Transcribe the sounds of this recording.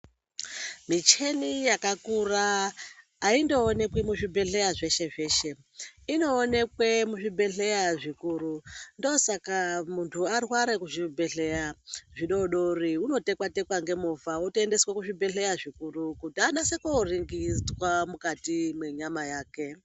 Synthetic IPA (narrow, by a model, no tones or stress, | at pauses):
mit͡ʃe̞nijakakuraː | indo̞ːne̞kwemuʐibʱe̞ɬe̞jaʐe̞ʃe̞ʐe̞ːʃe̞ | ino̞ːne̞kwemuʐibʱe̞ɬe̞jaʐikuːɾundosakamuntʰuarwaɾekuʐibʱe̞ɬe̞jaʐiɗo̞ɗoriuno̞te̞kwate̞kwaŋɡe̞muvaotoende̞swakuʐibʱe̞ɬe̞jaʐikurukutianasekuriŋɡid͡zwamukatimwe̞ɲamajaːke̞